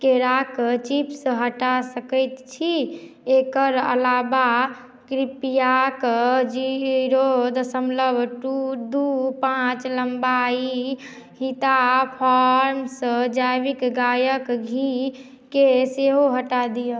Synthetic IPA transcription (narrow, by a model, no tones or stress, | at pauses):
keɾakt͡ʃipsə̃ɦəʈasəkəjt̪t͡ʃʰi | ekəɾə̰laba | kɾipijakd͡ʒiɾod̪səmləbʱʈud̪upãt͡ʃləmbai | hit̪apʰaɾmsə̃d͡ʒajbikɡajəkɡʱi | keseɦoɦəʈad̪ijə